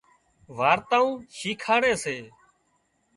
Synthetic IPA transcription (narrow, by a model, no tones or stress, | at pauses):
ʋaːɾt̪aːũːʃiːkʰaːɽeːseː